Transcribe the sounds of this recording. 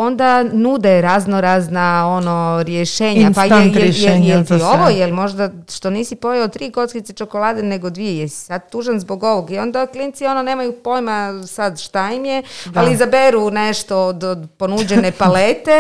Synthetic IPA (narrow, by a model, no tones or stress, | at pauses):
o̞nd̪anud̪ɛɾaznoɾaznao̞no̞ɾjeʃe̞ːɲapajejejelt̪ioʋojelmo̞ʒd̪aʃt̪o̞niːsipo̞jaot̪ːɾiːko̞t̪skit̪et͡ʃokolˠaːd̪ene̞ɡod̪ʋiejesi̥sad̪̚t̪uːʒanzbo̞ɡo̞ʋoɡio̞nd̪aklint̪sio̞none̞ːmajupo̞jmasad̪ʃt̪aimjealizabeɾuneʃt̪o̞od̪od̪po̞nud͡ʑenepalet̪e